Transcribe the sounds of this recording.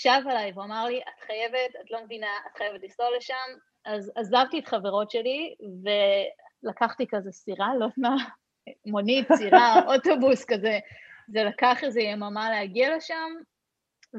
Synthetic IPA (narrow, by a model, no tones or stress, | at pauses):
ʃavalajvuamaʁliʔatχaje̞vetatlo̞mevinaatχajevetlistole̞ʃam | azazavtietχaveʁo̞tʃe̞live̞lakaχtikazesiʁalotna | monitsiʁaʔoto̞buskazezelakaχezejemamaleaɡiale̞ʃam